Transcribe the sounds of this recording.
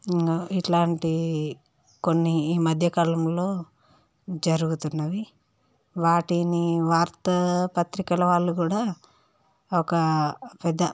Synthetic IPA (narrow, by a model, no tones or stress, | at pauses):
iʈlaːɳʈi | konːiːmɐd̪ʱjɐkɐlɐmlo̞ː | d͡ʒɐɾuɡut̪unːɐʋi | ʋaːʈiniʋaːɾt̪ɐpɐt̪ɾikɐlɐʋaːɭːukuːɽaː | ɔkɐpɛd̪ːɐ